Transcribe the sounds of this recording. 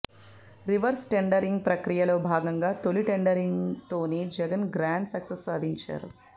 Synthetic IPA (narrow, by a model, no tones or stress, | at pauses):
ɾiʋɐɾsʈeɳɖɐɾiŋɡ̚pɾɐkɾijɐlo̞ːbʱaːɡɐŋɡaːt̪oliʈeɳɖɐɾiŋɡt̪o̞ːnid͡ʒɛɡɐnɡɾaːɳɖsɐksɐsːaːd̪ʱiɲt͡ʃa̰ːɾu